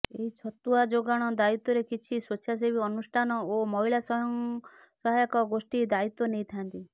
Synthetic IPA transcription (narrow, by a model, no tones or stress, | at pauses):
eɦit͡ʃʰɔt̪uad͡ʒoɡaɽ̃ɔd̪ait̪ːɔɾekit͡ʃʰisot͡ʃʰas̬ebiɔnusʈʰanɔomɔɦiɭasɔɦɔŋ | sɔɦajɔkɔɡosʈid̪ait̪ɔnejt̪ʰant̪i